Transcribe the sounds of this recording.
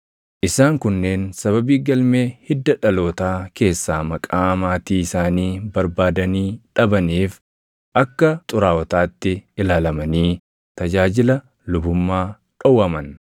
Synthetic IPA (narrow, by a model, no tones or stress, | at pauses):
ʔɪsaːŋkʊnːe̞ːnsɐβɐbiːɡɐlme̞ːhɪd̪ːɐᶑɐlo̞ːt̪aːke̞ːsːaːmɐkʼaːɐmaːt̪iːɪsaːniːbɐɾbaːd̪ɐniːᶑɐbɐniːf | ʔɐkːɐt̪ʼʊɾaːwɔt̪aːt̪ːɪɪlaːlɐmɐniː | t̪ɐd͡ʒaːd͡ʒɪlɐ | lʊbʊmːaː | ᶑɔwɐmɐn